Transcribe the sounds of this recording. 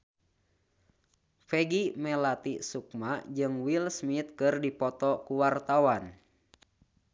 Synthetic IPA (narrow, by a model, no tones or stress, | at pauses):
fɛɡimɛlat̪isuk̚mad͡ʒɨŋwilsmit̪̚kɨrdipɔt̪ɔkuwart̪awan